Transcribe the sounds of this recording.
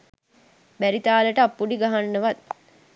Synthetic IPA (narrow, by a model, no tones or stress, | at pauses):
bæɾit̪aːləʈəapːuɖiɡaɦanːəʋat̪̚